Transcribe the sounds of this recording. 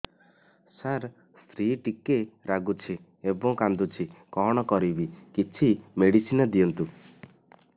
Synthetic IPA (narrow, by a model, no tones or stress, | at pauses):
saɾ | st̪ʰɾiʈikeɾaɡut͡ʃʰi | ebɔŋkand̪ut͡ʃʰikɔɦɽ̃ɔkɔɾibikit͡ʃʰimeɽisinɔd̪ijɔnt̪u